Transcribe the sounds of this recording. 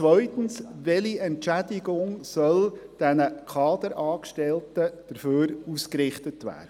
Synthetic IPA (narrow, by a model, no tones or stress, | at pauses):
t͡sʋœʏtən̩sʋɛliɛntt͡ʃædɪɡʊŋsœld̥ænəkʰɑːd̪əɾʔɑːkʃtɛltəd̥əɾføːɾuskɾɪχt̪ətʋæ̰ːdə